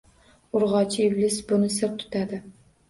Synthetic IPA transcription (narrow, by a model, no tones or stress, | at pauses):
ʊɾʁɑt͡ʃʰɪɪvlɪsbʊnɪsɪɾp̚t̪ʰʊ̥t̪ʰad̪ɪ